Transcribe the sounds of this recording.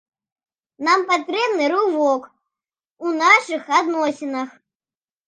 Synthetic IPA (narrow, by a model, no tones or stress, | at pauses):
nampat̪ɾɛbnɨɾuvɔk | unaʂɨxad̪nɔsʲinɐx